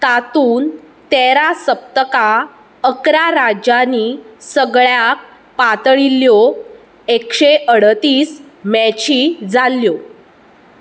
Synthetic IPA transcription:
t̪at̪uːn | t̪eɾasəp̚t̪əka | əkɾaɾad͡ʑanisəɡɭjak̚ | pat̪əɭilːjo | ekɕeʔəɽt̪iːsmɛt͡ɕid͡zaljo

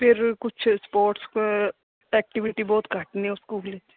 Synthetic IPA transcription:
pʰɪɾkʊt͡ʃʰspoːɾʈsk | ɛːk̚ʈɪʋɪʈibɔːt̪kəʈniʊskuːɡlet͡ʃ

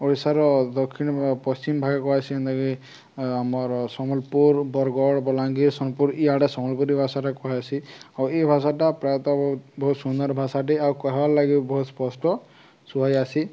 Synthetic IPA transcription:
ɔɹisaɾɔd̪ɔkʰːinpɔst͡ʃimbʱaɡɛkɔɦajsiɛnd̪aki | amɔɹsɔmɔlpuɹbɔɾɡɔɽbɔlaŋɡiɹsɔnpuɹijaʈɛsɔmɔlpuɾibʱasatakɔɦajasiaɹuejbʱas̬atapɾajɔt̪ɔbɔɦut̪bɔɦut̪sunɔɾbʱasateaɹukaɦabalaɡibɔɦut̪spɔsʈɔ | suɦajasi

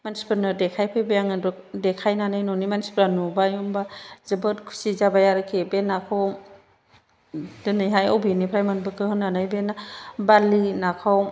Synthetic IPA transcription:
manspɯɾnɯdekʰajpʰɯjbajaŋɯdɔk̚dekʰajnanɯjnɔnimanspɾanubajɔmbazɯbɯtkʰu̥sizabajaɾɯkʰebenakʰɯw | d̥ɯnɯjɦajowbinipʰɾajmanbɯkʰɯhɯnanɯjbenabalinakʰaw

